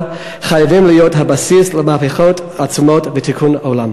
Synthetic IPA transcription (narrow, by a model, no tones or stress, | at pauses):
χajavimlijotɦabasisləmaapeχot | at͡sumotvetikʰunolam